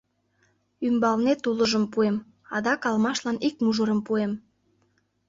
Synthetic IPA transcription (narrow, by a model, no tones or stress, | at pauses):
ymbɑlnet̪uləʒəmpuem | ɑ̰d̪ɑkɑlmɑʃlɑnik̚muʒəɾəmpuem